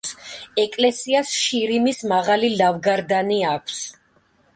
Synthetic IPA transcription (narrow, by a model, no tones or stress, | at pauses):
sɛkʼlɛsiasʃiɾimismaʁalilavɡaɾd̪aniakʷʰs